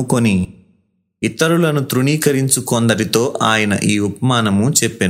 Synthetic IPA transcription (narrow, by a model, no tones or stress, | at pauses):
ukoni | it̪ːɐɾulɐnut̪ɾuɳiːkɐɾiɲt͡ʃukond̪ɐɾit̪o̞ːʔaːjɐnɐ̰ʔiːupɐmaːnɐmut͡ʃepːin